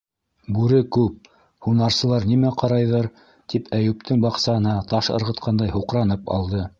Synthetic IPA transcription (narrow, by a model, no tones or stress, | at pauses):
bʉɾɘkʉp̚ | hunɑɾsɤ̆lˠɑɾnimæqɑɾɑjðɤɾ | t̪ipʰæjʉp̚t̪ʰɘŋbɑqsɑɤ̆nɑt̪ɑʃɤ̰̆ɾʁɤ̆t̪qɑnd̪ɑjhuqɾɑnɤpɑ̰lˠd̪ɤ